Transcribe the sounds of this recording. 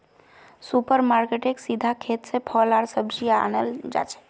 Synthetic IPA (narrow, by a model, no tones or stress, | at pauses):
supəɾmaɾkeʈeksid̪ʱakʰet̪sepʰɔlaɽsəbd͡ʒia̰nəld͡ʒa̰t͡ʃʰe̥